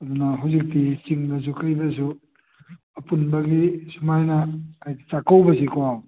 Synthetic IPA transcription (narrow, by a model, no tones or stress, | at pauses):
ɐd̪unɐɦawzik̚tit͡ʃiŋbɐs̬ukɐjbɐsu | ɐpunbɐɡisumajnɐajdit͡ʃakawbɐsikoaw